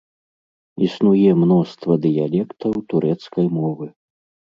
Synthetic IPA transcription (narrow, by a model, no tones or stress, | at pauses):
isnujɛmnɔst̪vɐd̪ɨjalʲɛkt̪ɐwt̪uɾɛt̪skɐjmɔvɨ